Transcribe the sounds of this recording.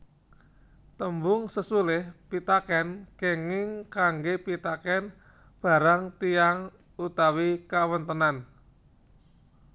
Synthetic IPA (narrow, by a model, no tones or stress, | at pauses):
t̪əmbʊŋsəsulɪhpit̪akɛnkeŋɪŋkaŋɡepit̪akɛn | b̥a̤ɾaŋt̪ijaŋ | ut̪awikawənt̪ənan